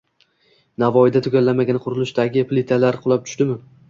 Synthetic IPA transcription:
navɒɪd̪at̪ʰʊɡʲalːamaɡʲanqʰʊɾɪlˠɪʃd̪aɡʲɪplɪt̪ʰalaɾqʰʊlˠap̚t̪ʰʊ̥ʃt̪ɪmɪ

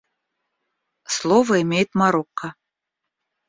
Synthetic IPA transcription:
slˠovɐimʲejt̪mɑɾoqːɑ

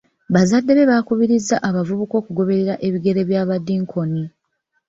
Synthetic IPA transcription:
βazadːe̞βe̞βakuβiɾizːaʔaβavuβuko̞ːkuɡo̞βe̞ɾeɾaʔe̞βiɡe̞ɾe̞βjaːβadiŋkʰo̞ni

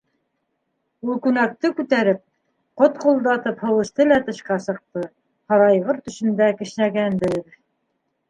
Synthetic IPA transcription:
ulˠkʉnæk̚t̪ɘkʉt̪æɾɘp̚ | qot̪qulˠd̪ɑt̪ɤphɤ̆wɤ̆ʃt̪ɤlæt̪ɤ̆ɕqɑsɤ̆q̚t̪ɤ | hɑɾɑjʁɤɾt̪ɵ̆ʃɵ̆nd̪ækɘ̆ʃnæɡænb̪ɘð

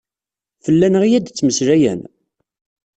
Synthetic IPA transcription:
fəlːænəʁijæd̪t͡sːməsɾæjæ̰n

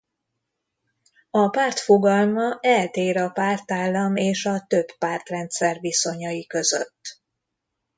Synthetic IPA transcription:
ɒpaːrt̪fo̞ɡɒlmɒʔɛlt̪eːɾɒpaːrt̪aːlːɒmeːʃɒt̪ø̞bːaːrt̪rɛnt̪sɛrviso̞ɲɒjikø̞zø̰t̪ː

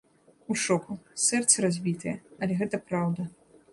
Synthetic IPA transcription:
uʂɔkusɛrt̪sɐɾazʲbʲit̪ɨjɛɐlʲɛɣɛt̪ɐpɾawd̪ɐ

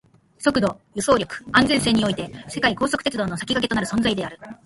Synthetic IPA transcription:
so̞kɯ̟d̪o̞jɯ̟so̞ːɾʲokɯ̥ãnd͡zẽ̞se̞ːɲ̟ːio̞it̪e̞se̞kaiko̞ːso̞kɯ̥t̪et͡sɨd̪o̞ːno̞sḁkʲikake̞to̞naɾɯ̟sõ̞nd͡zaid̪e̞aɾɯ̟

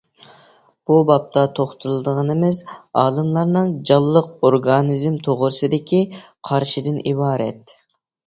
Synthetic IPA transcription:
b̥ubɑp̚t̪ʰɑt̪ʰoχt̪ʰulˠɨd̪əʁənɨmɪzɑːlˠɨmlˠɑɾnɨŋd͡ʒɑlˠːəqoɾɡɑnizmt̪ʰoʁʊɾsɨd̪ɪkʲiqʰɑɾʃid̪ɪnibɑːɾɛ̰t̪

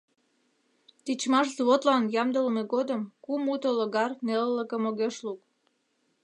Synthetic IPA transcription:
t̪it͡ɕmɑʃzβot̪lɑnjɑmd̪ələmeɣod̪əmkumut̪oloɣɑrnelləkəmoɣeʃluk

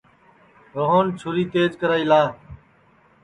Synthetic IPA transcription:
ɾoɦoːnt͡ʃʰʊɾiːt̪eːd͡ʒkəɾaːiːlaː

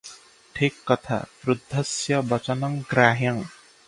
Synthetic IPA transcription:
ʈʰikːʌt̪ʰa̰pɾud̪ʱːʌsjʌbʌt͡ʃʌnʌŋɡɾaːɦjʌŋ

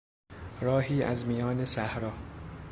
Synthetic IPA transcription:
ɾɒːɦiːʔæ̰zmijɒːnesæhɾɒː

